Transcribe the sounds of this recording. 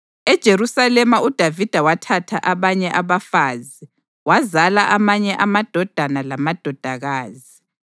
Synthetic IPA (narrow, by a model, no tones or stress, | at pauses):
ɛd̥ʒ̥ʱerusalɛmaud̥ʱavid̥ʱawatʰatʰaʔaβaɲɛʔaβafaːzi | wazalaʔamaɲɛʔamad̥ʱɔd̥ʱanalamad̥ʱɔd̥ʱaɣaːzi